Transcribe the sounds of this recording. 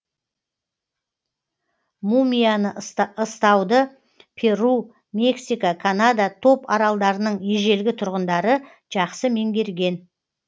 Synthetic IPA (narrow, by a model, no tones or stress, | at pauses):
mumʲijanəəst̪ɑwd̪ə | pʰe̞ɾu | me̞ksijkakʰanad̪at̪ʰo̞pɑɾɑlˠd̪ɑɾənəɴeʒe̞lɡʲɪt̪ʰʊɾʁənd̪ɑɾə | ʒ̥ɑqsəme̞ŋɡʲe̞ɾɡʲe̞n